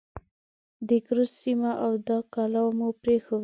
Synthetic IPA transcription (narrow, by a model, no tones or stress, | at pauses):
d̪əkɾussimaʔawd̪ɑkalawmupɾexow